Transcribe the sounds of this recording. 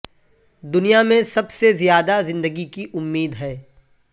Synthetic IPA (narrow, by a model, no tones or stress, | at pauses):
d̪ʊnijamẽsɐbsezijaːd̪azɪ̃nd̪əɡikiʔʊmːiːd̪ɦɛː